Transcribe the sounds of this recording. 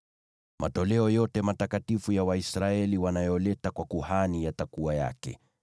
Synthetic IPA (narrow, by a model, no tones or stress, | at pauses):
mʔa̰tɔlɛɔjɔtɛmatakatifujawaisɾaɛliwanajɔlɛtakwakuhanijatakuaja̰kɛ̰